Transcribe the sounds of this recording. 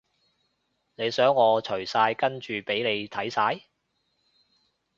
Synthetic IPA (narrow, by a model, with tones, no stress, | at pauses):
ne˨˧jsœː˨˥ŋːɔː˨˧t͡ʃʰɵ˨˩ɥsaː˧jkɐ˥nt͡ʃyː˨pe˨˥jne˨˧jt̪ʰɐ˨˥jsaː˧j